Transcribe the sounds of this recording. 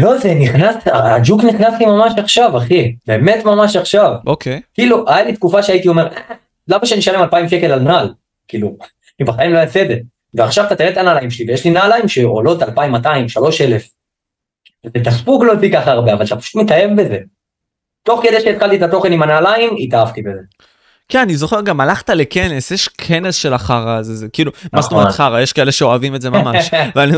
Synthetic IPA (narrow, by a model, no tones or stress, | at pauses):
lo̞zeniχnasaad͡ʒukniχnaslimamaʃaχʃavaχibe̞ːme̞t̪mamaʃaχʃavokekiːluʔajalit̪kufaʃeait̪io̞me̞ʁ | lamaʃeaniʃalemalpaimʃe̞ke̞lalnal | kiːlu | anibaχaimlo̞jasede | veaχʃavat̪at̪iʁet̪analaimʃlivejeʃlinalaimʃeo̰lo̞t̪alpaimataimʃalo̞ʃele̞f | vezet̪aspuklotikaχaːʁbeavalʃapḁʃu̥t̪met̪aje̞vbe̞ze | t̪o̞χked̪eʃeit̪χalt̪it̪at̪o̞χenimanalaimit̪aavt̪ibeze | kenanizo̞χe̞ʁɡamalaχt̪aleke̞nesjeʃkʰe̞ne̞sʃe̞laχaʁazezekiːlumast̪omet̪χaʁajeʃkaeleʃeo̞avimetzemamaʃʃveani